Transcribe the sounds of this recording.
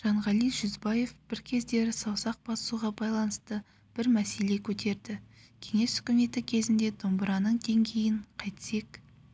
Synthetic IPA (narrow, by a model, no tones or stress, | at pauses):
ʒ̥ɑɴʁɑlˠijʒʏzbɑje̞fb̥ɪɾkʲʰe̞zd̪e̞ɾɪsɑwsɑq̚b̥ɑsə̥suʁɑbɑjlˠɑnəst̪ə | b̥ɪɾmæse̞le̞kʲʰɵt̪ʰe̞ɾd̪ɪkʲʰe̞ŋe̞shʏ̥kʲɪme̞t̪ɪkʲʰe̞zɪnd̪e̞d̪ombəɾɑnəɴd̪e̞ŋɡʲe̞jɪɴqʰɑjt̪se̞k